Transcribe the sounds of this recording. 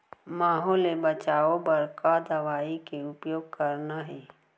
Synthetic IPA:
maːɦɔːlebɐt͡ʃaːobɐɾkad̪ɐʋaːikeʊpjoːɡ̚kɐɾnaɦɛː

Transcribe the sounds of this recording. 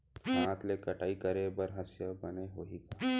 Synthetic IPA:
ãːt̪lekɐʈʰaːikəɾebɐɾɦɐsjabɐneɦoikaː

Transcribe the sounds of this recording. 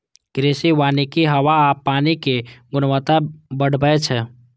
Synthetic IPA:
kɾeːsiwaːnikiɦəwaːpːaːnikeɡʊnʋət̪abəɽ̤bəet͡ʃʰɛ

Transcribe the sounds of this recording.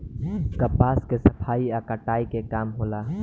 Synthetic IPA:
kɐpaːskesɐpʰaːiakəʈaːikekaːmɦoːlaː

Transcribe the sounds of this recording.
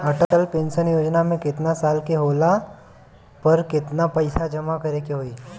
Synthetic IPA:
əʈəʈəlpensənjod͡ʒnamẽkɪt̪nasalkeɦola | pəɾkɪt̪napəjsad͡ʒəmakəɾekeɦoiː

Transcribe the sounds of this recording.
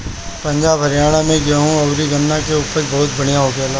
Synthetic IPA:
pɐ̃ɲd͡ʒaːbʱɦɐɾjaːɽ̃amẽɡɪjaɦũɐʊɾiɡɐnːakeʊpəɾbɐɦʊt̪̚bɐɽ̤̃ijaɦoɡjaːlaː

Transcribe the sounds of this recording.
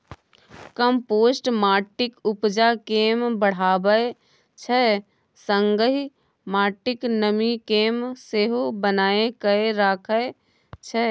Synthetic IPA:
kəmpoːsʈmaːɾʈɪkʊpd͡ʒakeːmbəɽ̤aːbəe | t͡ʃʰə | sə̃ŋɡəɦi | maːɾʈɪknəmikeːmseːɦobənaːekəeɾaːkʰəe | t͡ʃʰə

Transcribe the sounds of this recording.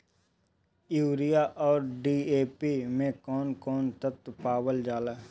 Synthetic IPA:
juːɾijaʔɔːɾɖiːeːpiːmẽkɔːnkɔːnt̪ət̪paːwəld͡ʒaːlaː

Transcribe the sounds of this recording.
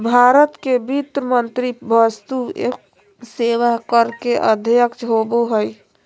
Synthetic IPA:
bʱaɾət̪kebit̪ɾəmənt̪ɾibəst̪uḛ | seːʋakəɾkeʔə̰d̪ʱjəkt͡ʃɦoboɦəj

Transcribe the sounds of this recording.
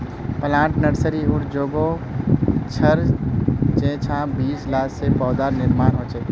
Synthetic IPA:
pəlãːʈnəɽsəɾiuʈʰd͡ʒoːɡo | t͡ʃʰəɾ | t͡ʃẽt͡ʃʰãbiːslaːssepɔːd̪aɾnɪɾmaːnɦoːt͡ʃɛː

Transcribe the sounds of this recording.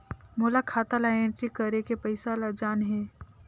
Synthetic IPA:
moːlakʰaːt̪alaẽɳʈɾikəɾekepəɪsalad͡ʒaːnɦɛː

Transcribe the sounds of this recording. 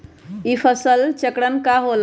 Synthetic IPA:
ipʰəsəlt͡ʃəkɽənkaɦol

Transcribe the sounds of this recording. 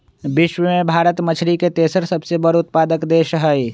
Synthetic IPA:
bɪʃwəmẽbʱaːɾət̪mət͡ʃʰɾiket̪eːsəɾsəbsebəɾʊt̪̚paːd̪əkd̪eːʃɦəj

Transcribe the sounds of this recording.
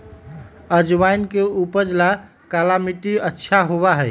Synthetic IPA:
əd͡ʒʋajnkeupəd͡ʒla | kalamiʈiətːʃʰaɦoβaɦɛɪ

